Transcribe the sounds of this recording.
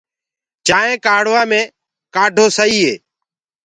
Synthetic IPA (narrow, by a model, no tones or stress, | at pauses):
t͡ʃaːẽːkaːɽ̤ʋãːmẽː | kaːɖʱoːsəiːɦeː